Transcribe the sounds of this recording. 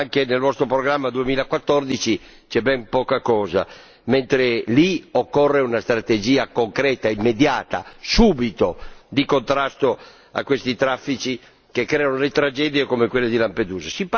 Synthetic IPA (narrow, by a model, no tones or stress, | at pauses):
aŋkenelvɔst̪ɾopɾoɡɾamːad̪uemiːlakwat̪ːɔrd̪it͡ʃi | t͡ʃɛbɛmpɔːkakɔːza̰ | ment̪ɾeliokːɔrːeunast̪ɾat̪ed͡ʒiːakoŋkɾɛːt̪aimːed̪jaːt̪a̰suːbit̪od̪ikont̪ɾast̪o | a̰kːwest̪it̪ɾafːit͡ʃi | kekːɾɛːanolet̪ɾad͡ʒɛːd̪iekomekwelːed̪ilamped̪uːzasip